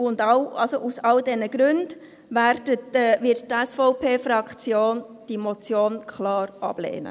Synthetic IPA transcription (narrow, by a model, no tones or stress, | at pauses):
ʊndɑwɑlsoʔusɑldɛnəɡ̥ɾʉnd̥ | ʋæːɾdətːʋɪttɛsfɔʊpʰeːfɾɑkt͡sjoːn | d̥imɔt͡sjoːnkχlɑːɾʔɑ̰b̥lḛːnə̰